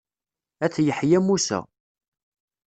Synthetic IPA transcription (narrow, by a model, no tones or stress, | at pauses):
æt͡sːjəħjæmːusæ̰